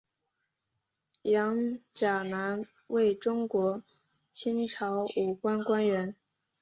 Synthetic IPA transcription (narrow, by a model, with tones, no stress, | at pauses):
jɑ˧˥ŋt͡ɕja˨˩na˧˥n | we˥˩ɪʈ͡ʂʊ˥ŋkwɔ˧˥ | t͡ɕʰi˥nʈ͡ʂʰɑ˧˥ʊu˨˩kwa˥nkwa˥nɥɛ˧˥n